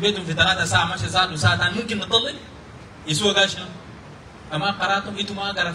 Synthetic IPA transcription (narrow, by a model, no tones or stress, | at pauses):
beːt̪umfit̪alaːt̪asaːʕamaʃasaːdusaːʕat̪anmumkinːɨt̪ːˤɑlːi | jis̬uwaɡaʃina | kamaqɑɾˤɑːt̪umʔit̪umaɡaɾa